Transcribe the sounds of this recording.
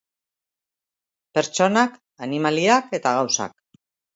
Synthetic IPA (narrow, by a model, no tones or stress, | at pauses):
pe̞ɾt͡ʃo̞nak | animaliake̞t̪aɣawsa̰k̚